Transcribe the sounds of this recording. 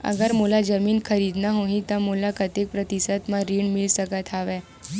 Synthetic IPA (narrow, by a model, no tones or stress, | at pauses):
ə̰ɡəɾmulad͡zəmiːnkʰəɾiːd̪naɦoɦĩt̪amolakət̪jek̚pɾət̪isəd̪mãɾiːɳmilsəkət̪ʰaʋɛ